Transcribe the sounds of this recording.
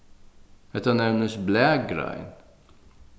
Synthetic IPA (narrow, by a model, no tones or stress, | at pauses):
ɛt̪ːɐnɛɾmnəsblɛk̚ɡɾa̰jn